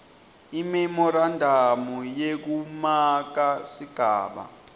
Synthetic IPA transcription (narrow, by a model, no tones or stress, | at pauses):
imɛmɔɾandʱamɔjek̬umak̬asiɡ̥ʱa̰ːɓa̰